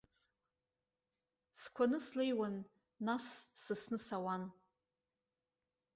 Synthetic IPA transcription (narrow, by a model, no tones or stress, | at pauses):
skʷʰanɨslejwanː | asːɨsnɨsawan